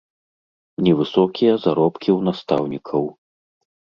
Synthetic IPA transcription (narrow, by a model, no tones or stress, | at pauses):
nʲɛvɨsɔkʲijɐzaɾɔpkʲiwnast̪a̰wnʲikʰɐw